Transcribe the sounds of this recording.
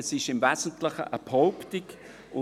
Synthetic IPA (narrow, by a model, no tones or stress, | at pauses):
ɛsɪʃɪmvɛzən̩tlɪχə̰ʔəbhɔʊptɪk | ʊ